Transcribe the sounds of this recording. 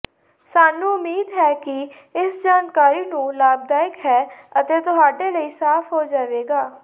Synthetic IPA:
saːnũːʊmiːd̪ɦɛːkɪ | ɪsd͡ʒaːnkaːɾiːnũːlaːb̚d̪aːɪkɦɛːət̪eːt̪ʊɦaːɖeːləiːsaːfɦoːd͡ʒaːʋeːɡaː

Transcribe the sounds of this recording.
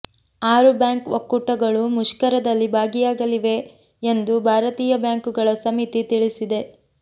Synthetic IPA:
aːɾubjaːŋkʋokːuʈɐɡɐɭumuʃkɐɾɐd̪ɐlːibʱaːɡijaːɡɐliʋe̞ | end̪ubʱaːɾɐt̪iːjɐbjaːŋkuɡɐɭɐsɐmit̪it̪iɭisid̪e̞

